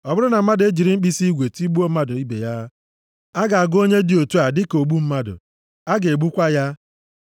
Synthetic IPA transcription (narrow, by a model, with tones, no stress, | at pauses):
ɔ˨bʊ˦ɾʊ˦na˨m̩˦ma˦de˦d͡ʒi˨ɾi˦m̩˦k͡pi˦si˦ɡʷe˨ti˦ɡ͡bu˦o˦ma˦dʊ˨i˦bḛ˨ja˦ | a˦ɡa˨a˨ɡo˦ɲe˦di˨o˨tu˦a˨dɪ˦ko˨ɡ͡bu˦m̩˦ma˦dʊ̰˨ | a˦ɡe˨e˨ɡ͡bu˦kʷa˦ja˦